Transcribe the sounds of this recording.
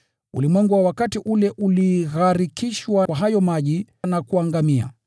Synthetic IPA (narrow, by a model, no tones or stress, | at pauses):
ṵlimwɛŋɡuwawakatiʔulɛʔuliɣaɾikiʃwawaɦajɔmaʄi | nakuaŋɡamia̰